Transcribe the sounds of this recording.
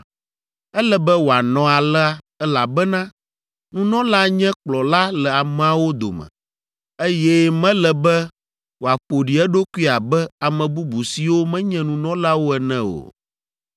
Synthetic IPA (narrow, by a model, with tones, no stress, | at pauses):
ɛ˦lɛ˦bɛ˦wo˨a˨nɔ̃˨a˨lɛ˦a˦ | ɛ˦la˨bɛ˦nã˦ | nũ˨nɔ̃˦la˦ɲɛ̃˦k͡plɔ˨la˦lɛ˨a˨mɛ̃˨a˨wo˦d̪o̰˨mɛ̰̃˨ | e˦jɛ˦mɛ̃˦lɛ˨bɛ˦ | wo˨a˨ɸo˨ɖi˨ɛ˦ɖo˦ku˦i˦a˨bɛ˦a˨mɛ̃˨bu˦bu˨si˨wo˦mɛ̃˦ɲɛ̃˦nũ˨nɔ̃˦la˦wo˦ɛ˨nɛ̃˦o̰˨